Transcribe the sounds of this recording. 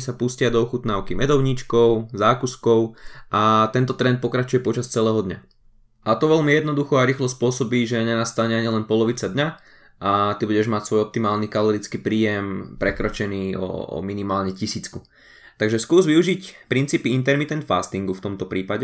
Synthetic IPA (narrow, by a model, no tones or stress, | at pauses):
sapuscɪad̪ɔɔxut̪naʊkimɛd̪ɔʊɲit͡ʃkɔʊzaːkuskɔʊʔat̪ɛnt̪ɔt̪ɾɛnt̪̚pɔkɾat͡ʃujɛpɔt͡ʃast͡sɛlɛːɦɔd̪ɲa̰ | ʔat̪ɔʋɛlmijɛd̪nɔd̪uxɔaɾiːxlɔspʊɔsɔbiːʒɛɲɛnast̪aɲɛaɲilɛnpɔlɔʋit͡sad̪ɲa | ʔat̪ibuɟɛʒmacsʋɔjɔp̚t̪imaːlnikalɔɾit͡skiːpɾiːjɛmpɾɛkɾɔt͡ʃɛniːɔ̰minimaːlɲɛcisiːt͡sku | t̪aɡʒɛskuːzʋiuʒicpɾint͡siːpiint̪ɛɾmit̪ɛnt̪faːst̪iŋɡuft̪ɔmt̪ɔpɾiːpaɟɛ